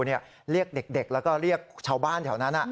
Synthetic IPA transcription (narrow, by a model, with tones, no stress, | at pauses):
ni˥˩ə | ɾi˥˩ək̚de˨˩k̚de˨˩k̚lɛː˦˥wkɔː˥˩ɾi˥˩ək̚t͡ɕʰaː˧wbaː˥˩nkʰɛː˨˩˦wna˦˥nʔa˨˩